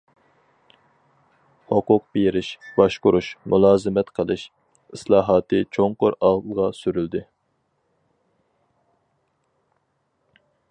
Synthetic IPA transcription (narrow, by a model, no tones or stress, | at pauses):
hʊqʊq̚bejiɾɪʃbɑʃqʊɾuʃmulˠɑːzɨmɛt̪qʰəlˠɨʃ | islˠɑːɦɑːt̪ʰɨt͡ʃʰoŋqoɾɑlˠʁɑsyɾyld̪ɪ